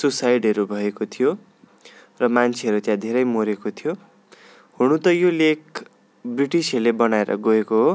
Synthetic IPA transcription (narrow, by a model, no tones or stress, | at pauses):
susajɖɦʌɾubʱʌekot̪ʰijo | rʌmant͡sʰeɦʌɾut̪jãd̪ʱeɾʌjmoɾekot̪ʰijo | ɦuɽ̃ũt̪ʌjolek | briʈisʌlebʌnaeɾʌ̰ɡoekoɦo